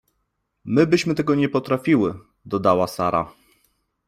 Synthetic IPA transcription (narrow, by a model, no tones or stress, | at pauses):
mɘbɘɕmɘt̪ɛɡɔɲɛpɔt̪ɾafʲiwɘ | d̪ɔd̪awasaɾa̰